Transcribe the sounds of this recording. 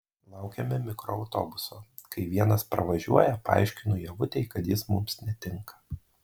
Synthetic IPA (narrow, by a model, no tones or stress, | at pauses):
lˠɑʊkʲɛmʲɪmʲɪkɾɔ̰ɐʊt̪o̰ːbʊsoː | kɐɪʋʲiɛnɐspɾɐ̰ʋɐʒʲṵɔjɛpɐɑ̰ˑɪʃʲkʲɪnʊjɛʋʊt̪ʲɛɪkɐt̪jɪsmʊmsnʲɛt̪ʲɪŋkɐ̥